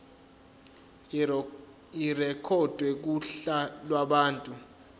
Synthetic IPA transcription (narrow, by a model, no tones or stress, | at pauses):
irɛkʰɔd̥ʱwɛk̬uɬalwaɓaːntʼu